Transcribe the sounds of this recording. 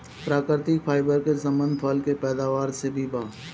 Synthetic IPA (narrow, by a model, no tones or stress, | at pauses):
pɾaːkɪɾt̪ɪkfʰaːɪbəɾkesə̃mə̃nd̪pʰəlkepɛːd̪aːʋaːɾsebʱibaː